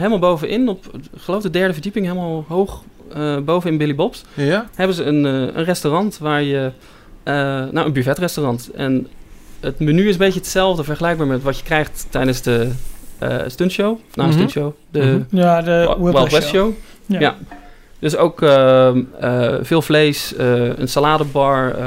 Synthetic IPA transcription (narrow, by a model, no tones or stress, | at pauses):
ɦejləmalˠbowvənʔɪnɔpkχəlowfdədɛɹdəvəɹdipɪŋɦejləmalˠɦowχəbowvənɪnbɪlibɔpshɛbənzəənə̰nrɛstorɑntʋaːɹjə | no̰wʔənbyvɛtrɛstorɑntʔɛn | ətmənyɪs̬əmbejcəətsɛlˠvdəvɛɹχəlɛjɡ̚baːɹmɛtʋɑtjəkrɛjχtːɛjdənzdə̰ | stønʃownastønʃow | də | ɛlˠɛow | ja | d̥øsowkəəvɪːlˠvlejsəə̰nsalaːdəbɑɹ